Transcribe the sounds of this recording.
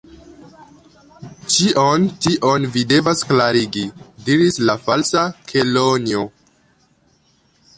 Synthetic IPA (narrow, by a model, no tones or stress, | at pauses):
t͡ʃiʔontiʔo̞nvide̞vasklaɾiɡidiɾislafalsakʰelonio